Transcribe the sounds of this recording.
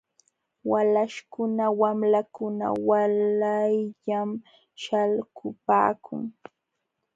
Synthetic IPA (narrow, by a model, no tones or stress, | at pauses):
walaʃkʊnawamlakʊna̰walajʎam | ʃalkʊpa̰ːkʰʊ̰ŋ